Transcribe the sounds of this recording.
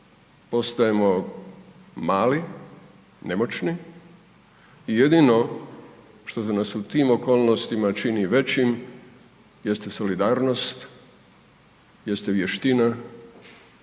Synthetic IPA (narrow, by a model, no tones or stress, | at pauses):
po̞st̪ajemo̞ | maːli | ne̞mo̞t͡ʃni | ije̞d̪ino̞ | ʃt̪o̞senasut̪iːmo̞koːlˠno̞st̪imat͡ʃiniʋe̞t͡ɕim | je̞st̪eso̞lid̪aːɾno̞st̪ | je̞st̪eʋje̞ʃt̪ina